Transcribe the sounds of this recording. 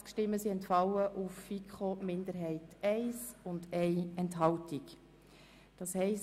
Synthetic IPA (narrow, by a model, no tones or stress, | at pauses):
t͡skʃtɪmːəsiɛntfɑləʔufːikχomɪndəɾɦɛɪtɛɪsʊndɛɪɛntɦɑltik | d̥ɑːshɛɪs